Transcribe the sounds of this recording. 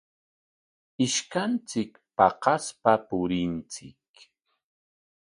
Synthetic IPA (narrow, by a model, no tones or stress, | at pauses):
ɪʃkant͡sɪk | pɑqɑspapʊɾɪnt͡sɪk